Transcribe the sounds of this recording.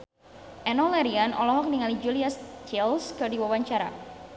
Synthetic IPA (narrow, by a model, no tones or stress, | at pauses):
ʔɛnɔlɛɾianʔɔ̰lɔɦɔk̚niŋalid͡ʒuliast͡ʃɛlskərdiwawaɲt͡ʃaɾa̰